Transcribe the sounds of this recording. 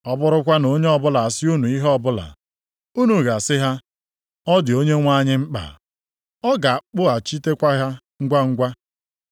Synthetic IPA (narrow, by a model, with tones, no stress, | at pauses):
ɔ˦bʊ˦ɾʊ˦kʷa˦no˦ɲe˦ɔ˦bʊ˦la˨sɪ˦u˦nu˨i˦ɦɔ˦bʊ˦la̰˨ | u˦nu˨ɣa˨sɪ˦ɦa˦ | ɔ˦dɪ˨o˦ɲe˦ŋʷa˦ɲɪ˦ŋ͡m̩˦k͡pa̰˨ | ɔ˦ɡa˨a˨k͡pʊ˦a˨t͡ʃi˦te˦kʷa˦ɦa˦ | ŋ̩˦ɡʷa˦ŋ̩˦ɡʷa˦